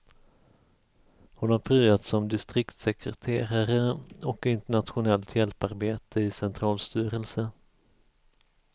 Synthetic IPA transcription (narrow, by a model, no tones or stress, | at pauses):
hʊnhaɾpʰɾyːat̪sɔmd̪ɪst̪ɾɪkt̪sɛkɾɛ̰t̪ʰeːɾaɾəɔkɪnt̪əɳat̪ɧʊnɛlt̪ʰjɛlpaɾbeːt̪ʰəɪsɛnt̪ʰɾɑːlst̪yːɾəlsə